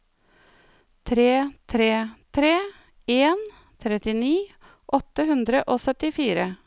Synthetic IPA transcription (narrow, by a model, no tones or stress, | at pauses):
t̪ʰɾeːt̪ʰɾeːt̪ʰɾeː | eːn | t̪ʰɾɛt̪ɪniː | ʔɔt̪əhʉnd̪ɾəʔoːsœt̪ɪfiːɾə